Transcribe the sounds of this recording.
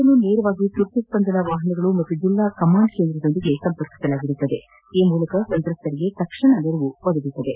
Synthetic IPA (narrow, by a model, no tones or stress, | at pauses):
ɐnːuneːɾɐʋaːɡit̪uɾt̪ɐspɐnd̪ɐnɐʋaːɦɐnɐɡɐɭumɐt̪ːud͡ʒilːakɐmaːɳɖkend̪ɾɐd̪o̞nd̪iɡe̞sɐmpɐɾki̥sɐlaːɡiɾut̪ːɐd̪e̞ | iːmuːlɐkɐsɐnt̪ɾɐst̪ɐɾiɡe̞t̪ɐkʂɐɳɐneɾɐʋuʋɐd̪ɐɡit̪ːɐd̪e̞